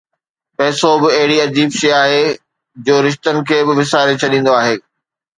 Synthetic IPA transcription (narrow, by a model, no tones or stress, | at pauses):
pɛːsobɪɐɦɪɽiɐd͡ʑiːbʃeːaːɦe | d͡ʑoːɾɪʃ̬t̪ənɪ̆kʰeːbɪʋɪsaːɾet͡ɕʰɐɗĩːn̆d̪oaːɦeː